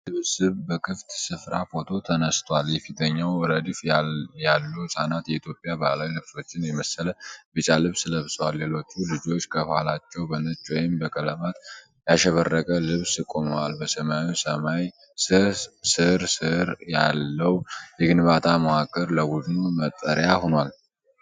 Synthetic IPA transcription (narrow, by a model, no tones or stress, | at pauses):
lɨβsɨβbəkʰɨft̪sɨfɾafo̞t̪ʰo̞t̪ʰənəst̪ʰwaljɛfit̪ʰəɲːawɔɾəd̪ifjalːuwsanat̪jɛit̪ʰjo̞pʼjabalawilɨβso̞t͡ʃːɪnjɛməsələbɨt͡ʃʼalɨβsləβswalːelo̞t͡ʃːulɨd͡ʒo̞t͡ʃːkʰəβəha̰lat͡ʃːɛwbənət͡ʃːwɔjɪmbəkʼələmat̪ | jaʃɛβərːəkʼəlɨβskʼo̞məwalbəsəmawisəmaj | sɨsɨɾsɨɾja̰lːəwjɛɡɨnbat̪ʰaməwakʼəɾləbud̪numət̪ʼːəɾjahonwal